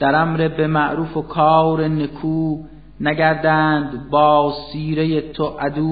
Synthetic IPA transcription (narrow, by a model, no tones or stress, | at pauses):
d̪̥æɾæmɾebemæʔɾuːfokʰɒːwɾenekʰuː | næɟæɾd̪ænd̪bɒːsiːɾejet̪ʰoʔæd̪uː